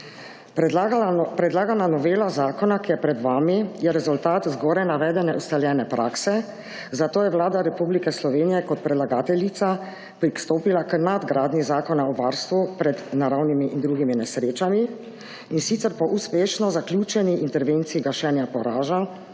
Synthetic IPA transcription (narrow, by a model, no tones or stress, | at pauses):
pɾɛd̪laːɡananɔʋeːlazaːkɔnakijɛpɾɛd̪ʋaːmijɛɾɛzult̪aːt̪zɡɔːɾajnaʋɛːd̪ɛnɛʔust̪aljɛːnɛpɾʔaːksɛ | zat̪oːjɛwlaːd̪aɾɛpublikɛslɔʋeːnijɛkɔt̪̚pɾɛd̪laɡaːt̪ɛlit̪sa | pɾikst̪oːpilakənad̪ɡɾaːd̪nizaːkɔnaɔʋaːɾst̪ʋupɾɛd̪naɾawnimiʔind̪ɾuːɡiminɛsɾeːt͡ʃami | insit̪sɛɾpɔʔuspeːʃnɔzakljuːt͡ʃɛniʔint̪ɛɾʋeːnt̪siiɡaʃɛnjapɔɾaːʒa